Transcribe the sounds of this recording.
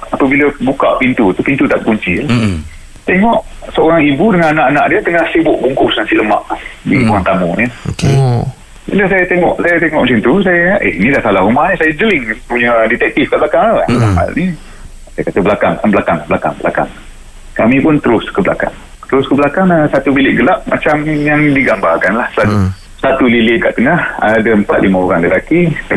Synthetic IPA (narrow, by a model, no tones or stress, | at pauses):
apəbiləbuka̰pint̪ut̪upint̪ut̪aʔ̚kuɲt͡ʃila | t̪eŋɔʔsəoɾaŋibudəŋananaʔanaʔdiət̪əŋahsibʊʔbuŋkʊsnasiʔləma̰ʔdibuaŋt̪amɔɲəoke | biləsajat̪eŋɔʔsajat̪eŋɔʔmusint̪us̬ajaʔḛinidahsalaumahnisajad͡ʒəlɪŋpuɲədit̪ɛk̚t̪ifkaʔblakaŋaaəmama̰lni | sajakat̪əbəlakaŋkanblakaŋblakaŋbəla̰ka̰ŋ | kamipʊnt̪əɾʊskəbla̰ka̰ŋ | t̪əɾʊskəblakaŋəsat̪ubilɪʔɡəlaʔ̚mat͡ʃamjaŋdiɡambarkanlahsəlau | sat̪ulilɪʔka̰ʔt̪ənaha̰ːdaəmpat̪̚lʔimaoɾaŋləlaki